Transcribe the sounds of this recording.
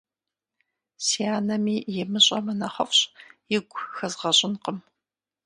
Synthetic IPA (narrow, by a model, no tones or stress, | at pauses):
siaːnɐmiːjɪmɨɕʼɐmɐnɐχɐfɕʼjɪɡʷxɐzʁɐɕʼɪnqəm